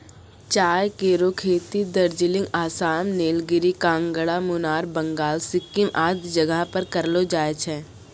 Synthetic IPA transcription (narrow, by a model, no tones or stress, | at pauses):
t͡ʃaːjkeːɾokʰeːt̪id̪ɐɾd͡ʒɪlɪ̃ŋɡaːsaːmneːlɡɪɾikãːŋɡəɽamʊnaːɾbɐ̃ŋɡaːlsɪkːɪmʔaːd̪d͡ʒɐɡapəɾkɐɾlod͡ʒaːet͡ʃʰɛː